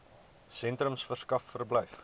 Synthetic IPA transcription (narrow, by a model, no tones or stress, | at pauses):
sɛntrəmsfərskɐfːərbləjf